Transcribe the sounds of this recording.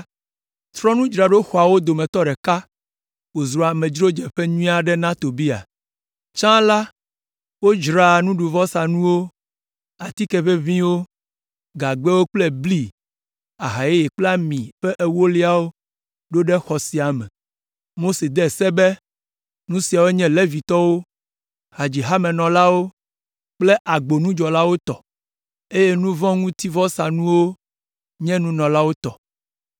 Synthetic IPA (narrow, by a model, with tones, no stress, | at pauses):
t̪ɾɔ̃˦nũ˦d͡ʒɾa˨ɖo˦xɔ˨a˨wo˦d̪o˨mɛ̃˨t̪ɔ˦ɖɛ˨ka˦ | wo˨zɾɔ˨a˨mɛ̃˨d͡ʒɾo˦d͡ʒɛ˨ɸɛ˦ɲũ˦ĩ˦a˨ɖɛ˦nã˦t̪o˨bi˦a̰˨ | t͡ʃã˦la˦ | wo˦d͡ʒɾa˨nũ˦ɖu˨vɔ˦sa˨nũ˦wo˦ | a˨t̪i˦kɛ˨ɸe˦vĩ˦wo˦ | ɡa˨ɡ͡bɛ˦wo˦k͡plɛ˦bli˦ | a˨ɦa˨je˦je˨k͡pla˦mĩ˨ɸɛ˦ʔe˨wo˦li˦a˦wo˦ | ɖo˦ɖɛ˦xɔ˨si˨a˨mɛ̃˨ | mo˦se˨d̪ɛ˦˨sɛ˦bɛ˦ | nũ˦si˨a˨wo˦ɲɛ̃˦le˦vi˨t̪ɔ˦wo˦ | ha˨d͡ʑi˨ɦa˦mɛ̃˨nɔ̃˨la˦wo˦ | k͡ple˦ʔa˨ɡ͡bo˨nũ˦d͡ʒɔ˨la˦wo˦t̪ɔ˨ | e˦je˦nũ˦vɔ̃˦ŋũ˦t̪i˦vɔ˦sa˨nũ˦wo˦ | ɲɛ̃˦nũ˦nɔ̃˨la˦wo˦t̪ɔ˨